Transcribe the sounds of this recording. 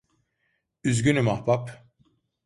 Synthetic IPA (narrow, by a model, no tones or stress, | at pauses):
yzɟʲynymahbap